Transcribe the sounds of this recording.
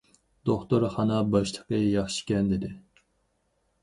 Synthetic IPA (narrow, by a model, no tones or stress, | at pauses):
d̪̥oχt̪oɾχɑnɑbɑʃt̪ˠəqəjɑχʃi̥kʲɛnd̪ɪd̪ɪ